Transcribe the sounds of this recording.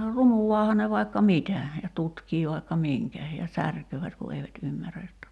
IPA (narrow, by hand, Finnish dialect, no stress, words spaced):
runuwɑːhɑ ne ʋɑi̞kːɑ mitæ jɑ tutkiː ʋɑikːɑ miŋkæ jɑ særkøːʋæt ku eiʋæt ymːæræ jotːɑ